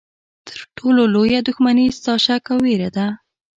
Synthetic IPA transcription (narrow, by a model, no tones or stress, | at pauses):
t̪ʰə̥ɾʈʰololojad̪ʊxmanizt̪ɑʃakawːeɾad̪a